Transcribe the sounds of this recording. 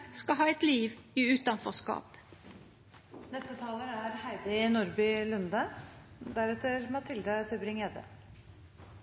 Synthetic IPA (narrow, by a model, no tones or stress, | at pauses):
skɑɦɑːɛt̪liːʋiːʉːt̪ɑnfɔskɑ̰ːp | nɛst̪ət̪ʰɑːləɾæɾhæɪd̪ɪɪnʊɾbʏlʉnd̪əd̪æɾɛt̪əɾmɑt̪ʰɪld̪ət̪ʰɪbɾɪŋeːd̪ə̰